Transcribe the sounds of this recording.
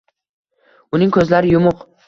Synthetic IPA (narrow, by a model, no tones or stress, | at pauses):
ʊnɪŋkʰɵzlaɾɪjʊmʊq